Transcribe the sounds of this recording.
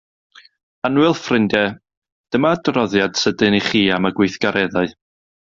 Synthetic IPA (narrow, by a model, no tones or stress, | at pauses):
anwɪlˠfrɪndɛ | d̥əmaːdrɔðjad̥sədɨniχiːamaɡwɪjθɡ̥aɾʔɛðaɨ